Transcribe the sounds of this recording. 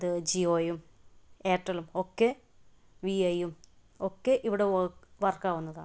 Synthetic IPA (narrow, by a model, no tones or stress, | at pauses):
ɐðɨd͡ʑioːjum | eːʈːɐlumokːe | ʋiɐjum | okːeʔiʋiɽeʋɐrkaːʋunːɐða̰ːɳɨ